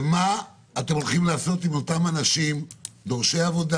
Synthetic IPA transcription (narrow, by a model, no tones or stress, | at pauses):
maː | t̪e̞molχimlaːso̞t̪imotamanaʃimd̪o̞ʁʃe̞javo̞da